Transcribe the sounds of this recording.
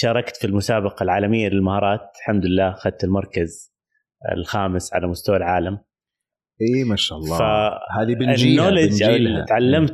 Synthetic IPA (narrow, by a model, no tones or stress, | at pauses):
ʃɑːɾˤɑkt̪filmʊsaːbɑqɑlʕaːlamɪjːalɪlmahɑːɾˤɑːt̪̚lħamd̪ʊlɪlːaːxad̪̚t̪ɪlmɑɾˤkaz | ɪ̰lxaːmɪsʕa̰lamʊst̪awalʕaːlam | ʔiːmaʃalˤːɑfahaːðibɪnːoːlɪd͡ʒt̪ʕalːamt̪